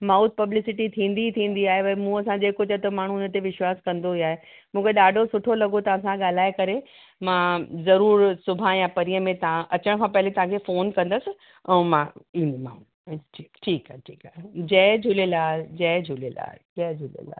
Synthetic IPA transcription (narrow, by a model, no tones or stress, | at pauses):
maːut̪̚pɐblɪsɪʈit̪ʰĩːnd̪it̪ʰĩːn̆d̪iaːɦeʋɐimũːɐsãd͡ʑeːkot͡ɕɐt̪ɐmaːɳ̤unət̪eʋɪʃwaːskɐ̃nd̪oiaːɦe | mũːkʰeɗaːɖʱosʊʈʰolɐɡot̪ɐʋ̤ãsãɠaːl̤aːekɐɾe | mãːzɐɾuːɾsʊbʱãjãpɐɾijəmẽt̪ɐãʔɐt͡ɕəɽ̃kʰãːpɐɦɪlet̪ɐʋ̤ãkʰefoːnkɐ̃nd̪əsɪ̆ | ɛ̃ːmãĩːnd̪mãːũ | iʈʰiːkaɦʈʰiːkaːd͡ʑɛːd͡ʑʱʊlelaːd͡ʑɛːd͡ʑʱʊlela̰ːd͡ʑɛːd͡ʑʱʊlḛla̰ː